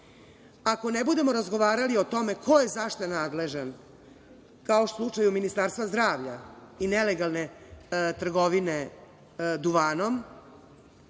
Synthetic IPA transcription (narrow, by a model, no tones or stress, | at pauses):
ako̞nebud̪e̞mo̞ɾazɡo̞ʋaːɾalio̞t̪o̞me̞kʰo̞jezaʃt̪anaːd̪le̞ʒan | kaoʃt̪oslˠut͡ʂajuminist̪aːɾst̪ʋazd̪ɾaːʋʎa̰ineleɡalˠnet̪r̩ɡo̞ʋine̞ | d̪uʋaːno̞m